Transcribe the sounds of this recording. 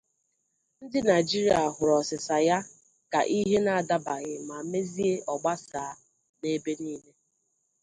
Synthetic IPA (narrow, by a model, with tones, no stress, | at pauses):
n̩˦dɪ˦na˨ɪ˨d͡ʒi˦ɾi˦a˨ɦʊ˨ɾɔ˨sɪ˨sa˨ja˦ | ka̰˨ʔi˦ɦe˦na˨a˨da˦ba˨ɣɪ˨ma˨me˦zi˦e˦ʔɔ˨ɡ͡ba˦saː˨˦ | ne˦be˦niː˦le˦